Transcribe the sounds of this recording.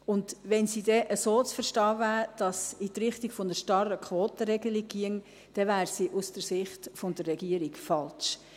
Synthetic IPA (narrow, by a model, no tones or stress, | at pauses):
ʊndʋɛnsiːdɛʔəsoːt͡sfəɾʃtɑːvæːɾd̥ɑsitɾɪχtiɡ̥fonəʃtɑrəkʰʋoːt̪əɾɛɡəliɡiəŋ | d̥ɛʋæːɾsiʔʊsd̥əsɪχtfʊnd̥ərːɛɡiəɾiɡfɑlt͡ʃ